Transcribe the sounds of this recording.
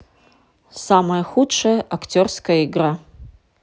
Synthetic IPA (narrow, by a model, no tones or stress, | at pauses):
samɐjɐxutʂɐjɐʔaktʲo̞rskɐjɐiɡra